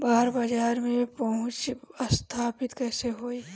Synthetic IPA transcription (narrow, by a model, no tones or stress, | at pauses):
baːɾbəd͡ʒaːɾmẽpɐɦʊ̃t͡ʃəst̪ʰaːpɪt̪kɛːseɦoːiː